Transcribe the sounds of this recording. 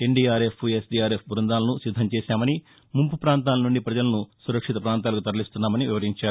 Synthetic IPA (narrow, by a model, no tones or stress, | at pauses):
e̞ɳɖiːaːɾepʰuesɖiːaːɾepʰbʱuɾund̪aːlɐnusid̪ʱːɐmt͡ʃɛːsaːmɐni | mumpupɾaːnt̪aːlɐnuɳɖipɾɐd͡ʒɐlɐnusuɾɐkʂit̪ɐpɾaːnt̪aːlɐk̬ut̪ɐɾɐlist̪unːaːmɐniʋiʋɐɾiɲt͡ʃaːɾu